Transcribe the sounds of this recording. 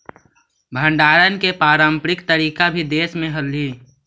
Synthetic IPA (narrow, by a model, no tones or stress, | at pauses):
bʱə̃ɳɖaːɾənkepaːɾãːmpɾɪkt̪əɾiːkabʱid̪eːsmẽɦəlːiː